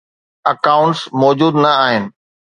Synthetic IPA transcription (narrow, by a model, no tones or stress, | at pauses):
ɐkaːʊ̃ɳʈsmɔːd͡ʑuːd̪nɐaːɦɪnɪ̆